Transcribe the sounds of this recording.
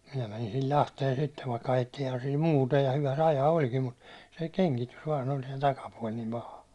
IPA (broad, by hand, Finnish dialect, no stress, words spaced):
minæ mænin sil lɑhteːn sitːeʋ ʋɑikːɑ ɑjetːiːhɑn sil muːtɑ jɑ hyʋæ se ɑjɑː olʲkim mut se keŋkitys ʋɑːn olʲ se tɑkɑpuɒl nim pɑhɑ